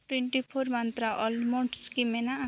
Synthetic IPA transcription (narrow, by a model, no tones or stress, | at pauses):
ʈweɳʈipʰormant̪ɾaʔɔlmoʈskimenaː